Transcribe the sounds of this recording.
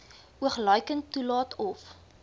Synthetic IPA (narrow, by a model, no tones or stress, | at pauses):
uəχlœɥkəntːulɑːtʰɔf